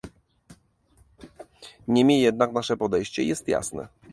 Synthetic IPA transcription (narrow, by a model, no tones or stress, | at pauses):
ɲɛmʲejɛd̪naknaʂɛpɔd̪ɛjɕt͡ɕɛ̰jɛst̪ja̰snɛ̰